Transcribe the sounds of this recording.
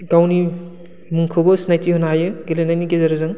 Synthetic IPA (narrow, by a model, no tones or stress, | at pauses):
ɡawni | mɯŋkʰɯbɯsnajtihɔnajɯɡelenajniɡezɐɾɯzɯŋ